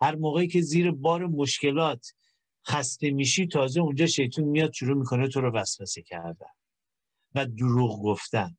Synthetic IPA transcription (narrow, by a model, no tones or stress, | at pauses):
hæɾmoːɣe̞icʰe̞ziːɾebɒːɾemoʃce̞lɒːt̪ʰ | xæst̪e̞miːʃiːt̪ʰɒːzeund͡ʒɒːʃe̞jt̪ʰuːnmijɒːd̪̥̚ʃuɾuːmiːkʰo̞net̪ʰoɾɔvæsvæsecʰæɾd̪æ̰n | væd̪uɾuːɣɡo̞ft̪æn